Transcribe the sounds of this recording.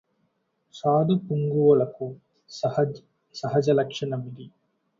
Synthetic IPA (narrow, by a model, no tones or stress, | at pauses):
saːd̪ʱɐkuŋɡuʋɐɭɐku | sɐhɐd͡ʒ | sɐɦɐd͡ʒɐlɐkʂɐnɐmid̪i